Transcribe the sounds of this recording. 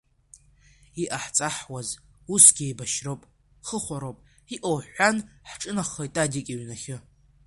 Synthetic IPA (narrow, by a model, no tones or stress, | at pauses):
iʔaħt͡sʼaħwazusɡʲiejbaʃrowpʼ | χəχʷaɾowpʼ | iʔowħʷanħʈ͡ʂʼɨnaχojtʼadikʲʼiɥnaχʲɪ